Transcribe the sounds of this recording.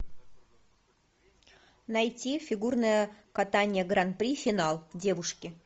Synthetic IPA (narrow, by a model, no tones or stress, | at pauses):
nɐjtʲifʲɪɡurnəjəkat̪anʲɪjəɡɾan̚pɾʲifʲɪnalˠdʲe̞vʊʂkʲɪ